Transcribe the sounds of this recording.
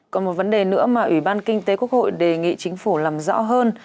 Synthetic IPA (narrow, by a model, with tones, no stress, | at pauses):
kɔ˨˦mo˨˩t̚və˨˦nɗe˨˩nɨ̰˧˥əmaː˨˩ʔwi˧˩ɓaː˧nkï˧ŋ̟t̪e˨˦ku˦˥ək̚ho̰˧˨jɗe˨˩ŋḭ˧˨t͡ɕï˨˦ŋ̟fu˧˩laː˨˩mzɔ̰˧˥ɦəː˧n